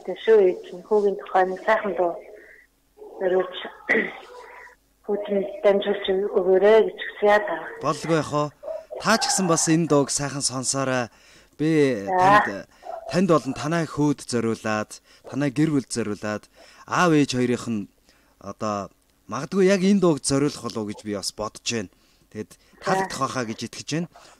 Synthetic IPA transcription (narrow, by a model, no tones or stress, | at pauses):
t̪eʃuːet̪ɘ̆nxuːɣʲiːnt̪ʰʊ̥χœːnisæːχə̆nt̪ʊː | t͡sœɾʲʊːɮt͡ɕ | xuːt̪ɘ̆nt̪æmʲt͡ɕrʊːɬt͡ɕɵɣoːɾeːɡet͡ɕʰɵ̥ksɘ̆ŋjaːt̪ʰapɔɮ̆ɣujaχʊːt̪ʰaːt͡ɕʰi̥xsə̆mpasent̪ʊːksæːχə̆nsɔnsɔːɾæː | pʲi | t̪ʰænʲt̪ɔɮə̆nt̪ʰanæːxuːt̪t͡sœɾʲʊːɮaːt̪ʰː | anæːɡerwuɮt̪t͡sœɾʲʊːɮaːt̪ | aweːt͡ɕχɔjɾiːχə̆n | ɔ̰t̪ɔː | maʁə̆t̪̚ɡujːakent̪ʊːkt̪t͡sœɾʲʊːɮ̆χʊɮʊːɡet͡ɕpʲiɔspɔt̪t͡ɕeːn | t̪ʰet̪ | t̪ʰːaɮə̆kt̪ʰχɔːχaːɡet͡ɕet̪ɡɘ̥̆t͡ɕeːn